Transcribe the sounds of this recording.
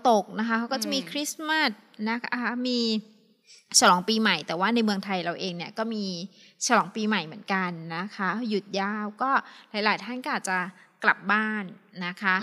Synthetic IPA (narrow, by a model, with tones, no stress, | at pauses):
t̪o˨˩k̚na˦˥kʰa˦˥kʰa˦˥wkɔ˥˩t͡ɕa˨˩miː˧kʰɾi˦˥sma˦˥˩t̪̚na˦˥kʰa˥a˦˥miː˧ | t͡ɕʰa˦lɔː˩˦ŋpiː˧ma˨˩jt̪ɛː˨˩waː˥˩na˧jmɯ˧əŋt̪ʰa˧jɾa˧wʔeː˧ŋni˥˩ɐkɔː˥˩miː˧ | t͡ɕʰa˧lɔː˩˦ŋpiː˧ma˨˩jmɯ˩˦ənka˧nːa˦˥kʰa˦˥ju˨˩t̪̚jaː˧˩wkɔː˥˩laː˨˦jlaː˨˩˦jt̪ʰa˥˩nkɔ˥aː˨˩t̪̚t͡ɕa˨˩kla˨˩p̚baː˥˩nːa˦˥kʰa˦˥